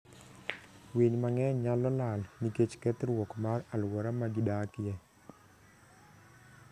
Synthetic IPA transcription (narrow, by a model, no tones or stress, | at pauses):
wiɲmaŋɛɲɲalɔlalniket͡ʃkɛt̪ɾwɔkmaralwɔɾamad͡ʒudakɪjɛ